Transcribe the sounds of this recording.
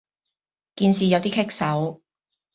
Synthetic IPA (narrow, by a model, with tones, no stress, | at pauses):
kiː˧nsiː˨jɐ˨˧wt̪iː˥kʰɪ˥k̚sɐ˨˥w